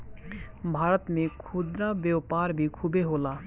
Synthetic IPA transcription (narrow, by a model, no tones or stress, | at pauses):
bʱaːɾət̪mẽkʰʊd̪ɾabjəwpaːɾbʱikʰubeɦoːlaː